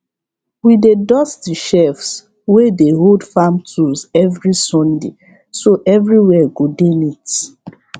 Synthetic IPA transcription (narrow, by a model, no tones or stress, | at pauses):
widedɔstiʃɛfs | wedeɦoldfamtʰuzɛvɹisɔ̃nde | soʔɛvɹiwɛɡodenit